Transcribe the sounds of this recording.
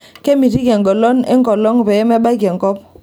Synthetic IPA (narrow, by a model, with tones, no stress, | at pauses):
ke˦mi˨ti˦ɡɛ˨ŋɡɔ˨lɔ˦nḛ˦ŋkɔ˨lɔ˦ŋbɛ˨je˦mɛ˦ɓa˦ɡɛ˨ŋkɔ˦p̚